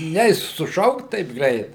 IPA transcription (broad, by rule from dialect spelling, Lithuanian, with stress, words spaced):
ˈnʲɛɪs sʊˈʃɐʊkt tɐɪp ˈɡrʲɛɪt